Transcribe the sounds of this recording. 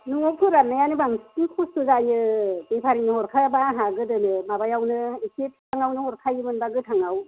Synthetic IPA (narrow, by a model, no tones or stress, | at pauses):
nuŋokʰɯɾanːajanɯbaŋskikʰustɯzajɯbepʰaɾiŋnɯhɔɾkʰabaɦaɡɯdɯnɯmabajawnɯekep̚ʰtʰaŋawnɯhɔɾkʰajɯmɯnbaɡɯtʰaŋaw